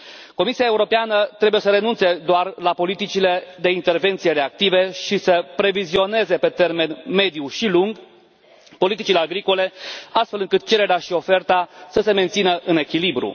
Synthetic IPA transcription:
ko̞misiae̞uɾo̞peanət̪ɾe̞buje̞səɾe̞nunt̪se̞d̪oarlapo̞lit̪it͡ʃile̞d̪e̞int̪e̞rve̞nt̪sijeɾe̞ak̚t̪ive̞ʃisəpɾe̞vizio̞ne̞ze̞pe̞t̪e̞rme̞nme̞d̪ijuʃiluŋɡ | po̞lit̪it͡ʃile̞aɡɾiko̞le̞ast̪fe̞lɨŋkɨt̪̚t͡ʃe̞ɾe̞ɾeaʃio̞fe̞rt̪asəse̞me̞nt̪sinəʔɨne̞kʲilibɾṵ

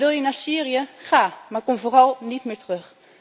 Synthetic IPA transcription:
ʋɪlˠjənaːɹsiːrijəχaːmaːɹkomvoːrɑlˠnitmɪːɹtrøx

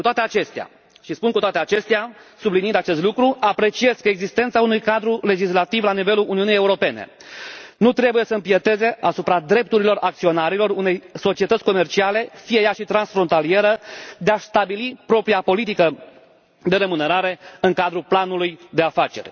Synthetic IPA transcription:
kut̪oat̪eat͡ʃe̞st̪ea̰ | ʃispunkut̪oat̪e̞at͡ʃe̞st̪easublinind̪at͡ʃe̞st̪lukɾuapɾe̞t͡ʃie̞zkəeɡzist̪e̞nt̪saunujkad̪ɾule̞d͡ʒislat̪ivlanive̞lulʔuniunijeuɾo̞pe̞nḛnut̪ɾe̞bujesəɨmpiet̪e̞ze̞ʔasupɾad̪ɾe̞p̚t̪uɾilo̞ɾʔak̚t̪sio̞naɾilo̞rune̞jso̞t͡ʃie̞t̪ət̪ʲko̞me̞rt͡ʃiale̞fijejaʃit̪ɾansfɾo̞nt̪alie̞ɾəd̪e̞ast̪abilipɾo̞pɾiapo̞lit̪ikə | d̪e̞ɾəmuneɾaɾe̞ɨŋkad̪ɾuplanulujd̪e̞afat͡ʃe̞̰rʲ

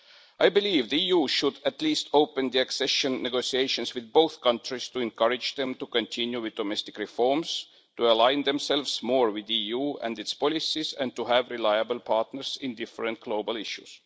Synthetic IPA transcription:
ʔajbiliːvðiijuːʃud̪æt̪liːst̪oʊpə̃nd̪iæksɛʃə̃nːeɡosieɪʃə̃nswɪðbowθkʰʌ̃ntɹistuɛ̃nkʰʌɹɪd͡ʒðɛ̃mtukõntʰɪ̃njuwɪðdomɛst̪ɪ̥kɹifoɹms | tuəlãɪnðɛ̃msɛlvsmoːɹwɪðijuːæ̰̃ndɪtspɔlisisæ̰̃n̚tuhævɹilajəbəlpʰɑɹtnəɹsɪ̃ndɪfɹə̃nt̚ɡ̥loʊbəlɪʃus

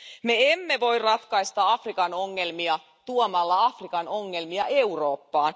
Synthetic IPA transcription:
meemːeʋo̞irrɑt̪kɑist̪ɑɑfrikɑnoŋːe̞lmiɑ | t̪uomɑlːɑɑfrikɑno̞ŋːelmiɑʔeuroːpːɑːn

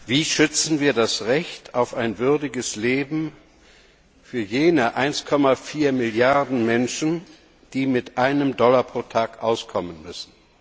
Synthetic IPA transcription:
viːʃʏt͡sn̩viːɐdasʁɛçtʰaʊfaɪnvʏɐdɪɡəsleːbm̩ | fyːɐjeːnəʔaɪnskʰɔmafiːɐmɪljaɐdn̩mɛnʃn̩ | d̥iːmɪtʔaɪnəmdɔlapʁ̥oːtʰaːkʔaʊskʰɔmənmʏsn̩

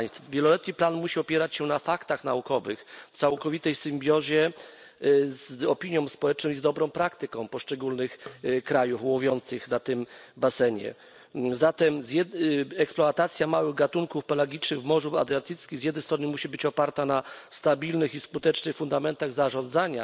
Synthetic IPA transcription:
jst̪fvʲjɛlɔlɛt̪ɲiplanmuɕiɔpʲjɛɾat͡ɕɕɛnafakt̪axnaukɔvɘxft̪sawkɔvʲit̪ɛjsɘmbʲjɔʑɛ | zɔpʲiɲjɔ̃w̃spɔwɛt͡ʂnɔ̃w̃izd̪ɔbɾɔ̃w̃pɾakt̪ɘkɔ̃w̃pɔʂt͡ʂɛɡulnɘxkɾajufwuvʲjɔnt̪sɘxnat̪ɘmbasɛɲɛ̰ | zat̪ɛmzjɛɛksplɔat̪at̪sʲjamawɘɣɡat̪uŋkufpɛlaɡʲit͡ʂnɘɣvmɔʐua̰d̪ɾat̪ɘt̪skʲiɣzjɛd̪nɛjst̪ɾɔnɘmuɕibɘt͡ɕɔpaɾt̪anast̪abʲilnɘxiskut̪ɛt͡ʂnɘxfund̪amɛnt̪aɣzaʐɔ̃nd̪zaɲa̰

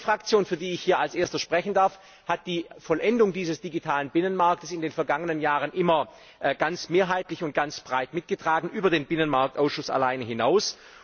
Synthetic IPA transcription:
fʁ̥ak̚t͡sjoːnfyːɐdiːɪçhiːɐalsʔeːɐstɐʃpʁ̥ɛçn̩daɐf | hat̚d̥iːfɔlʔɛndʊŋdiːzəsd̥iɡitʰaːlənbɪnənmaɐk̚təsɪndeːnfɛɐɡaŋənənjaːʁənʔɪmɐ | ʔɡ̥ant͡smeːɐɦaɪtlɪçʊnt̚ɡ̥ant͡sb̥ʁaɪtmɪt̚ɡ̥ətʁ̥aːɡŋ̩ʔyːbɐdeːnbɪnənmaɐk̚tʔaʊsʃʊsa̰laɪnəɦɪnaʊs

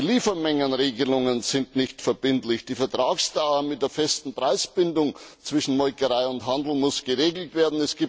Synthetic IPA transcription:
liːfɐmɛŋənʁeːɡəlʊŋənzɪntnɪçtfɛɐbɪntlɪçd̥iːfɛɐtʁ̥aːksd̥aʊəmɪt̚d̥eːɐfɛstn̩pʁ̥aɪsb̥ɪndʊŋt͡sv̥ɪʃn̩mɔʏkəʁaɪʊntɦandl̩mʊsɡ̥əʁeːɡl̩tv̥eːɐdn̩ɛsɡ̥iːpt

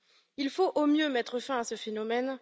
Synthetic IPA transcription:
ilfoʔomjømɛt̪χəfɛ̃asəfenɔmɛn

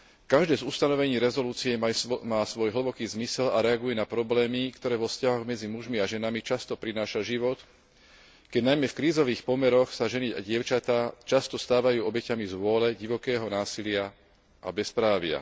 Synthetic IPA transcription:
kaʒd̪ɛːzust̪anɔʋɛɲiːɾɛzɔluːt͡siɛmaːsʋɔjɦl̩bɔkiːzmisɛlaɾɛaɡujɛnapɾɔblɛːmikt̪ɔɾɛːʋɔfscaɦɔɣmɛd͡zimuʒmiaʒɛnamit͡ʃast̪ɔpɾinaːʃaʒiʋɔt̪ | kɛɟnajmɛfkɾiːzɔʋiːxpɔmɛɾɔxsaʒɛnia̰ɟɪɛʊt͡ʃat̪aːt͡ʃast̪ɔst̪aːʋajuːɔbɛcamizʋʊɔlɛɟiʋɔkɛːɦɔnaːsilɪa | ʔa̰bɛspɾaːʋɪa̰

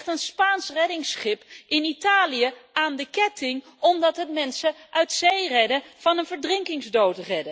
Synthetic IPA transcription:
tənspaːnsrɛdɪŋsχɪpɪnitaːlijəaːndəkɛtɪŋ | ɔmdɑtɦətmɛnsəœɥtsejrɛdəv̥ɑnənvəɹdrɪŋkɪŋzdowtrɛdə

